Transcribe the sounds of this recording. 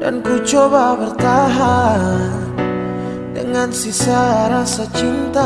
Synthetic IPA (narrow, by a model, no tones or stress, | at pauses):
da̰nkut͡ʃɔbabərt̪aɦa | dəŋansisaɾasat͡ʃint̪a